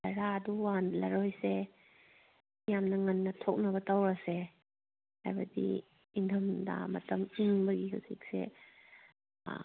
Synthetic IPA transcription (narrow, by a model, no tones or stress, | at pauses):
aɾaduwanlɐ̰ɾɔjse | jamnɐŋɐnːɐtʰɔk̚nɐbɐtawɾase | a̰jbadḭ | indʰɐmda̰mɐtɐmiŋbɐɡiɦuzḭk̚sḛ